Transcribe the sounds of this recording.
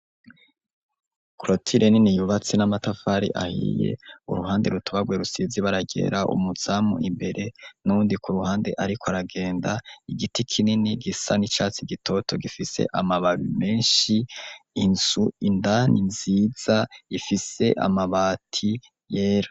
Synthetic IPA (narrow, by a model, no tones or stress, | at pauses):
kɾotʰiɾʔeninijuβat͡sinamatafaɾḭʔa̰hḭjḛṵɾuɦaːnde̞ɾutʰuβaɡweɾusiziβaɾaɟe̞̰ːɾaʔṵmuz̥aːmṵimbe̞ɾʔe̞nuuːndikʰuɾuhaːnde̞̰ʔaɾikʰoaɾaɡe̞ːndaiɡitikʰininiɡisanit͡ʃaːt͡siɡitʰo̞tʰo̞ɡifise̞̰ʔamaβaβime̞ːnʃiinz̥uindanʔinziːz̥aifise̞ʔa̰maβaːtʰi | jeːɾa